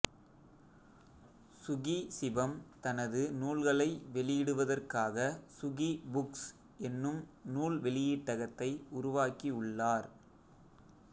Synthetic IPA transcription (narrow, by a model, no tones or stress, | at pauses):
sʊɣisɪbɐmt̪ɐnɐðɯnuːlɣɐɭɐɪʋɛɭɪjɪɽɯʋɐðɐrkaːɣɐsʊɣibʊks | ɛnːɯmnuːlʋɛɭɪjiːʈːɐɣɐt̪ːɐɪʊɾʊʋaːkiʊɭːaːɾ